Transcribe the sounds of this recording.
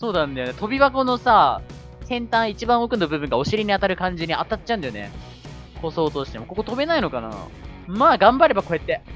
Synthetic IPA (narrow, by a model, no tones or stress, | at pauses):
so̞ːd̪ãnd̪ajonet̪o̞bʲiβako̞no̞sa | sẽ̞nt̪ãɰ̃it͡ɕibãɰ̃okɯ̟nːobɯ̟bɯ̟̃ŋɡao̞ɕiɾʲiɲ̟iat̪aɾɯ̟kãɲ̟d͡ʑiɲ̟iat̪at͡ɕːãɯ̃nd̪ajonḛ | ko̞so̞ːt̪o̞ɕi̥t̪e̞moko̞ko̞t̪o̞be̞naino̞kana̰maːɡãmbaɾe̞bako̞e̞t̪ːe̞